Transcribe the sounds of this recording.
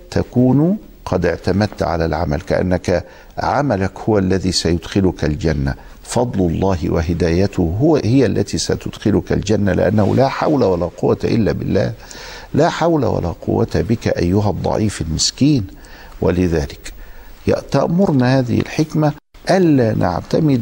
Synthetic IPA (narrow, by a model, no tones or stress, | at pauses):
t̪ʰakuːn | qʰɑd̪ɪʕt̪amæd̪̚t̪ʕa̰lalʕamalkaʔa̰nːaka | ʕamalakhʊwælːæðiːsæjʊd̪xɪlʊkald͡ʒanːa̰ | fɑd̪ˤlʊlˤːɑːɦɪwaɦɪd̪æːjæt̪ʊhɪjaʔlːæt̪iːsæt̪ʊd̪xɪlʊkald͡ʒanːalɪ̰ʔa̰nːahṵlaːħawlawalaːqʊwːat̪ʔɪlːaːbɪ̰lːæ̰ːhlaːħawla̰wa̰la̰ːqʰʊ̰wːat̪abɪkaʔajːʊɦɑd̪ˤːɑ̰ʕiːfalmɪskiːn | wa̰lɪðaːlɪkjʔt̪ɑʔmʊɾnahaːðɪ̰hɪ̰lħɪkma | ʔalːaːnʔa̰ʕt̪amɪd̪